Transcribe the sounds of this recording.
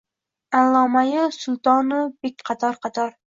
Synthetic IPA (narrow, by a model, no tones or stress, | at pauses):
alˠːɒmajɪsʊlˠt̪ɒnʊb̥ek̚ʲqʰɑt̪ʰɒɾqʰɑt̪ʰɒɾ